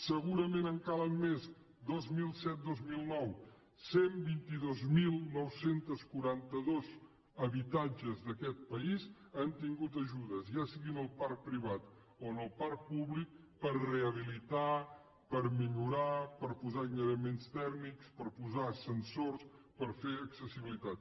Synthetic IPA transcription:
səɣuɾəmenəŋkalənmez | d̪ozmilˠsɛt̪̚d̪ozmilˠnɔw | sembint̪iðozmilˠnɔwsent̪əskuɾant̪əðoz | əβit̪ad͡ʒəzðəkɛt̪̚pəiz | ant̪iŋɡut̪əʒuðəzʒasiɣinəlˠpaɾk̚pɾiβ̞at̪ | oənəlˠpaɾk̚puβlik̚ | pərreəβilit̪a | pəɾmiʎuɾapəɾpuzainəɾəmenst̪ɛknikspəɾpuzasənsors | pəɾfeəksəsiβilit̪at̪̚

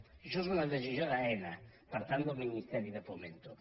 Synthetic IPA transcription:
iʃusunaðet͡ʃizjoɾaɛna | paɾt̪and̪ominist̪ɛɾiðɛfoment̪o

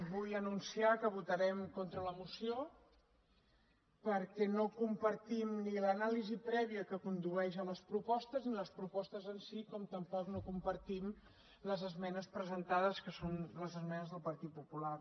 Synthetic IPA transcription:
bujənunsiakəβut̪əɾɛmkɔnt̪ɾələmusio | pəɾkɛnokumpəɾt̪imnilənalizipɾɛβiəkəkund̪uɛʃəmləspɾupɔst̪əzniləspɾupɔst̪əzənsikɔmt̪əmpɔknokumpəɾt̪im | ləzəzmɛnəspɾəzənt̪aðəskəsonləzəzmɛnəzðəlˠpəɾt̪it̪̚pupular

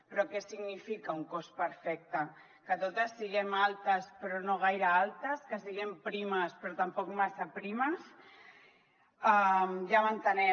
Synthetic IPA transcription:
pɾɔkɛsiɣnifikauŋkospəɾfɛk̚t̪a | kət̪ot̪asːiɣemalt̪aspɾonoɣ̞ajɾaalˠt̪ɐskəsiɣempɾimaspɾot̪ɐmpɔkmasapɾimɐs | amʒamant̪ənɛ

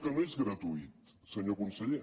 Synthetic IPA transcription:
kənoezɣɾət̪uit̪ | səɲokunsəʎe

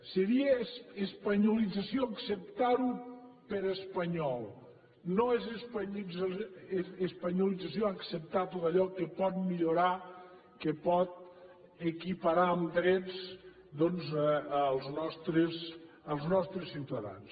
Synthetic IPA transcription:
seɾiəsːspaɲulid͡zasioəksəp̚t̪aɾupəɾəspaɲɔlˠ | noezespaɲid͡z | espaɲulid͡zasioaksep̚t̪at̪ot̪aʎɔkepɔt̪̚miʎuɾa | kepɔt̪̚ | əkipaɾaəmd̪ɾɛt͡s | d̪ɔnzəlˠznɔst̪ɾes | əlˠznɔst̪ɾəsːiwt̪aða̰ns

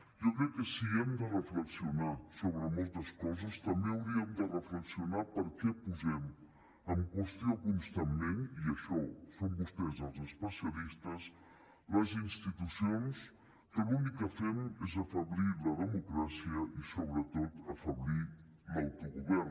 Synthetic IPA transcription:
jɔkɾɛkːəsiɛmd̪ərəfləksiunasoβɾəmɔlˠt̪əskɔzəst̪əmbeəwɾiəmd̪ərəfləksiunapəɾkɛpuzɛm | əmkwəst̪iokunst̪amːeniəʃɔsombust̪ɛzəlˠzəspəsiəlist̪əs | ləzinst̪it̪usions | kəlunikːəfɛmezəfəβliləðəmukɾasiəʔisoβɾət̪ot̪əfəβli | lawt̪uɣuβɛr

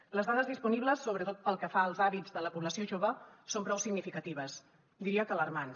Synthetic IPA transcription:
ləzðaðəzðispuniβləsːoβɾət̪ot̪̚pəlˠkəfaəlˠzaβid͡zðələpuβləsioʒoβəsompɾɔwsiɡnifikət̪iβəs | d̪iɾiəkələrman

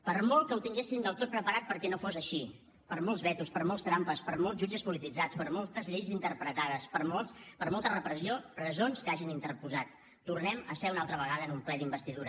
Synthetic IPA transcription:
pəɾmolˠkəwt̪iŋɡesind̪əlˠt̪ot̪̚pɾəpəɾat̪̚pəɾkɛnofozəʃi | pəɾmolˠzβɛt̪uspəɾmolˠst̪ɾampəspəɾmolˠzʒud͡ʒəspulit̪id͡zat͡spəɾmolˠt̪əzʎejzint̪əɾpɾət̪aðəspəɾmolˠspəɾmolˠt̪ərəpɾəsiorəzonskaʒinint̪əɾpuzat̪ː | urnɛməsɛunalˠt̪ɾəβəɣ̞aðənumplɛðimbəst̪iðuɾə

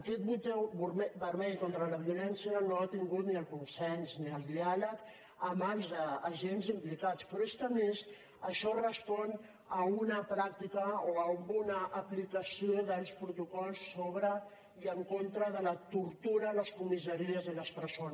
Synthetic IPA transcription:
əkɛt̪̚mut̪ɛwβɾmɛbəɾmɛʎkont̪ɾələβ̞iulɛnsiənoat̪iŋɡut̪niəlˠkunsɛnzniəlˠd̪ialək | əmanzəːʒenzimplikat͡spɾɔest̪əmes | əʃɔrəspɔn | əunəpɾak̚t̪ikəoəumbunəʔːplikəsioðalspɾut̪ukɔlˠsːoβɾə | iəŋkont̪ɾəðələt̪uɾt̪uɾələskumis̬əɾiəziləspəɾson

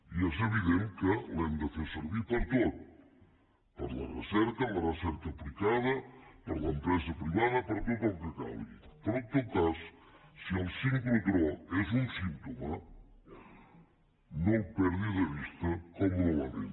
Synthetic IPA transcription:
ieseβiðeŋkelend̪eθeseɾβipoɾt̪oðu | poɾla̰rḛseɾkalareseɾkaplikaðɐpoɾlaempɾes̬apɾiβaðɐpoɾk̪ekomplika̰βḭp̪oɾot̪okas | sielsiŋklokɾoes̬unsint̪oma | nõŋpeɾðiðeβist̪ɐkomuloβaðḛn

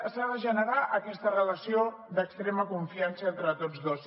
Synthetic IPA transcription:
əsaðəʒənəɾaʔəkɛst̪ərələsio | d̪əkst̪ɾeməkuɱfiansəent̪ɾət̪od͡zðos

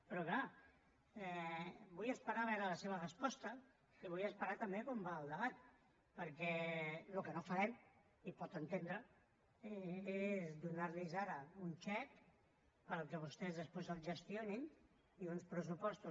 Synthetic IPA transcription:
pɾɔkla | ɛbujəspəɾaβɛɾələseβərəspɔst̪ə | iβujəspəɾat̪əmbekombaːlˠd̪əβat̪ | pəɾkɛlukənofəɾɛm | ipɔt̪ənt̪end̪ɾə | ɛezðunaɾlizaɾəunt͡ʃɛk | pəɾəlˠkəβust̪ɛzðəspezəlˠʒəst̪ionin | iunspɾəs̬upɔst̪u

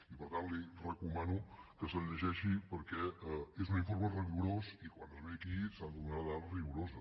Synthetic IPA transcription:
ipəɾt̪anlirəkumanukəsəʎəʒɛʃipəɾkɛezuniɱfoɾməriɣuɾosikwanəzβeəkisand̪umɾaðalriɣuɾozə

